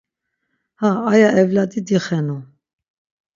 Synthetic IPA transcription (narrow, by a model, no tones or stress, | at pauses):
haːjaɛvlad̪id̪iχɛnu